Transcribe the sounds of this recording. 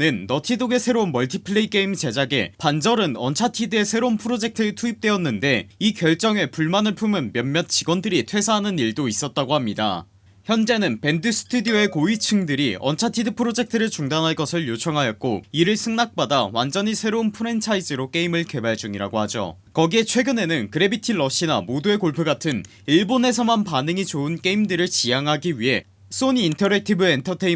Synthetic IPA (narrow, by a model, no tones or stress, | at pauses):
nɯnːʌtʰidoɡe̞sʰe̞ɾounmʌɭtʰipʰɯɭe̞ik͈e̞imt͡ɕe̞d͡ʑaɡe̞̰pand͡ʑʌɾɯnʌnt͡ɕʰatʰidɯe̞sʰe̞ɾounpʰɯɾod͡ʑe̞k̚tʰɯtʰuip̚t͈weʌnːɯnde̞ikjʌɭt͡ɕ͈ʌŋe̞puɭmanɯɭpʰumɯnmjʌnmjʌt̚t͡ɕiɡwʌndɯɾitʰwe̞sʰaɦanɯniɭdois͈ʌt̚t͈aɡohamɲida̰ | çjʌnd͡ʑe̞nɯnpe̞ndɯs͈ʰɯ̥tʰudioe̞koit͡ɕʰɯŋdɯɾiʌnt͡ɕʰatʰidɯpʰɯɾod͡ʑe̞k̚tʰɯɾɯɭt͡ɕuŋdanɦaɭk͈ʌsʰɯɭjot͡ɕʰʌŋɦajʌt̚k͈oiɾɯɭsʰɯŋnak̚p͈adawand͡ʑʌɲisʰe̞ɾounpʰɯɾe̞nt͡ɕʰaid͡ʑɯɾok͈e̞imɯɭke̞baɭd͡ʑuŋiɾa̰ɡoɦhad͡ʑo̰ | kʌɡie̞t͡ɕʰwe̞ɡɯne̞nɯnkɯɾe̞bitʰiɭʌɕ͈inamodue̞koɭpʰɯɡatʰɯn | iɭbonɦe̞s̬ʰʌmanpanɯŋit͡ɕoɯnk͈e̞imdɯɾɯɭt͡ɕijaŋɦaɡiɥiɦe̞ | s͈oɲiːntʰʌɾek̚tʰibɯentʰʌtʰei